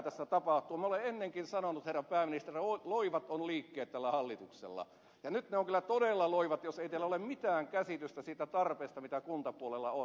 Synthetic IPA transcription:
t̪æsːæt̪ɑpɑht̪ˑuːmoleenːeŋkinsɑnonut̪herːɑmpæːminist̪erioloiʋɑt̪onliːkːeːt̪t̪ælːæhɑlːit̪uksḛlːɑ̰ | jɑnyt̪neoŋkylːæt̪odelːɑloiʋɑt̪joseˑit̪ælːæolemmit̪æːŋkæsit̪yst̪æsiːt̪æt̪ɑrpeːst̪ɑmit̪ækunt̪ɑpuolelːɑon

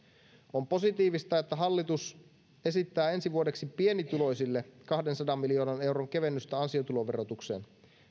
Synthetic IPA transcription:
o̞mpo̞sit̪iːʋist̪ɑet̪ːæɦɑlːit̪us | e̞sit̪ːæːe̞nsiʋuode̞ksipie̞nit̪ulo̞jsilːe̞kɑhde̞nsɑdɑmːilio̞ːnɑne̞wɾoŋke̞ʋe̞nːyst̪æɑnsio̞t̪ulo̞ʋe̞ro̞t̪ukse̞̰ːn

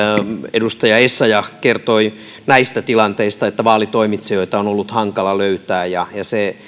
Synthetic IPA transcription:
edust̪ɑjɑesːɑjɑkert̪oi | næist̪æt̪ilɑnt̪eist̪ɑet̪ːæʋɑːlit̪oimit̪sejoit̪ɑonolːut̪hɑŋkɑlɑløyt̪æːjɑjɑse

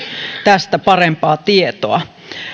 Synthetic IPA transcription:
t̪æst̪æpɑrempɑːt̪iet̪oɑ

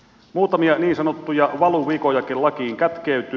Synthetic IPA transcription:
muːt̪ɑmiɑniːnsɑnot̪ːujɑʋɑluʋiːkojɑkillɑkiːŋkæt̪keyt̪ˑy

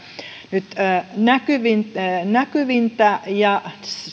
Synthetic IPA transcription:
nyt̪ːnækyʋintːnækyʋint̪æjɑ

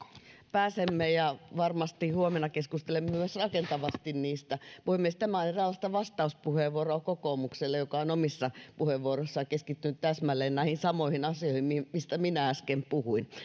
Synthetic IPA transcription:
pæːsemːejɑʋɑrmɑst̪ihuomenːˑɑkeskust̪elemːmyøsrɑkent̪ɑʋɑst̪inniːst̪æpuhemːiest̪æmæɑlenrɑlːɑst̪ɑʋɑst̪ɑuspuheʋuorokokoːˑmukselːejokɑonomisːɑpuheʋʋuoroisːɑkeskit̪ːynːyt̪t̪æsmælːeːnnæˑihinsɑmoihinɑsioihimmimist̪æminææskempuhuin

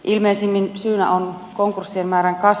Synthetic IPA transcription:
ʔilmeːsimːinsyːnæ̰ʔon | koŋkursːiemmæːɾæŋkɑs

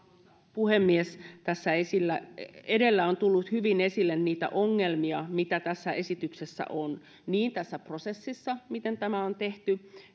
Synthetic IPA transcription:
puhemːiest̪æsːæesilːæedelːæont̪ulːut̪hyʋinesilːenniːt̪æ̰ʔoŋːelmiɑmit̪æt̪æsːæʔesit̪yksesːæ̰ʔon | niːnt̪æsːæprosesːisːɑmit̪ent̪æmæont̪eht̪y

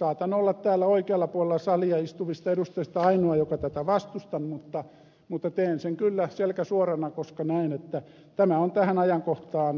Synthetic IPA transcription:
sɑːt̪ɑnolːɑt̪t̪æːlːæoikeɑlːɑpuolelːɑsɑliɑist̪uʋist̪ɑedust̪ɑist̪ɑɑinoɑjokɑt̪æt̪æʋɑst̪ust̪ɑnmut̪ːɑ | mut̪ːɑt̪eːnseŋkylːæselkæsuorɑnɑkoskɑnæinet̪ːæ | t̪æmæont̪æhænɑjɑŋkoht̪ɑːn

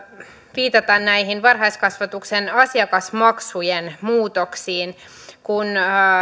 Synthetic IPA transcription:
ʋiːt̪ɑt̪ɑnnæjɦinʋɑrɦɑjskɑsʋɑt̪uksenɑsjɑkɑsmɑksujenmuːt̪o̞ksiːn | kun

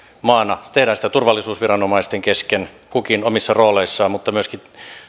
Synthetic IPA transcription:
mɑːnːɑt̪ehɾæːnsit̪ːæt̪urʋɑlːisuːsʋirɑnomɑist̪eŋkesken | kukinomisːɑroːleisːɑːmut̪ːɑmyøski

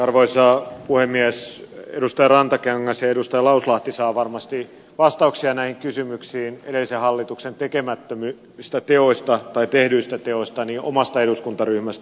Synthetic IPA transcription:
ɑrʋoisɑpuhemːiæsedust̪ɑjɑrɑnt̪ɑkeŋːɑsjɑedust̪ɑjɑlɑuslɑht̪isɑːʋɑrmɑst̪i | ʋɑst̪ɑuksiɑnæihiŋkysymyksiːnḛdelːisehɑlːit̪uksent̪ekemæt̪ːømy | st̪æt̪eost̪ɑt̪ɑit̪ehdyːst̪æt̪eosʲt̪ɑniʔo̰mɑst̪ɑeɾuskunt̪ɑryhmæst̪æ

